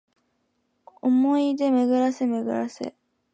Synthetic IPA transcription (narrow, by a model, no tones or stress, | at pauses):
omo̞id̪e̞meɡɯ̟ɾasemeɡɯ̟̰ɾa̰sḛ